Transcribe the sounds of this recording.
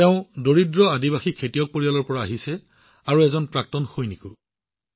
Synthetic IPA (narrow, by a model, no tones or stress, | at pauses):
teʊ̃doɹidɹɔadiβaxikʰetijɔk̚poɹialɔɹpɔɹaːɦisɛ | aɹuɛzɔnpɹak̚tɔnxojnikʊ